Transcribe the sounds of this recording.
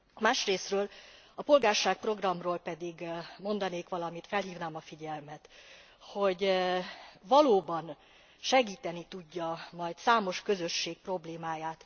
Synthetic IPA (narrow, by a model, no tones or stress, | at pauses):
maːʃreːsrøːlɒpo̞lɡaːrʃaːk̚pro̞ɡrɒmroːlpɛd̪iɡmo̞nd̪ɒneːkʋɒlɒmit̪fɛlɦiːvnaːmɒfiɟɛlmɛt̪ | ho̞ɟ | vɒloːbɒn | ʃɛɡiːt̪ɛnit̪uɟːɒmɒjt̪saːmo̞ʃkø̞zø̞ʃːeːk̚pro̞bleːmaːjaːt̪